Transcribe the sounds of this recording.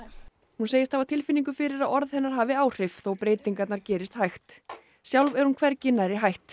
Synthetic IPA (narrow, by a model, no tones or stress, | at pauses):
hunseːjɪst̪θavaðt̪ʰɪlfɪnːiŋk̬ʏfɪɾɪɾaðɔɾðhɛnːaɾ̥ɦaːvɪaːwr̥ɪftθɔɣpɾeːjt̪iŋkat̪naɾcɛːɾɪst̪hajxt̪ | sjawlvɛɾ̥hunkʰvɛɾ̥cɪnːaɾɪɦajht̪